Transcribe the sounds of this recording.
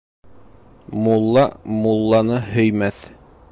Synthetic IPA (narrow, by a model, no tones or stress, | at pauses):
mulˠːɑmulˠːɑnɤhɵ̆jmæθ